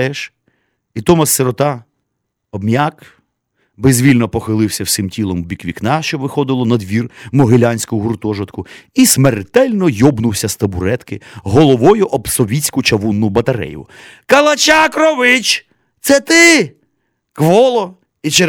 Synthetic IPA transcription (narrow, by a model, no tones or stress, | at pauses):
ɛʃ | it̪ɔmɐsːeɾɔt̪ɑ | ɔbmʲak | bezʲʋʲilʲnɔpɔxɪlˠɪwsʲɐwsɪmtʲilˠɔmbʲikʋʲiknɑʃt͡ʃɔʋɪxɔd̪ɪlˠɔnɐd̪ʋʲirmɔɦɪlʲanʲsʲkʊʊɦurt̪ɔʒɐt̪kʊismert̪ɛlʲnɔjɔbnʊwsʲɐst̪ɐbʊɾɛt̪kɪɦɔlˠɔʋɔjʊʔɔbsɔʋʲit͡sʲkʊt͡ʃɐʋunːʊbɐt̪ɐɾɛ̰jʊ̰ | kɐlˠɐt͡ʃɑkɾɔʋɪt͡ʃ | t̪sɛt̪ɪ | kʋɔlˠɔ | it͡ʃe